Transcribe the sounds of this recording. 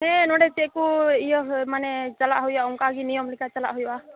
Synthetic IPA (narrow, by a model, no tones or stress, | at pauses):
ɦɛ̃nɔɽɛt͡ʃɛkuijɔɦmanɛt͡ʃalaʔɦɔjaʔɔmkaɡinijɔmlikat͡ʃala̰ʔɦujwa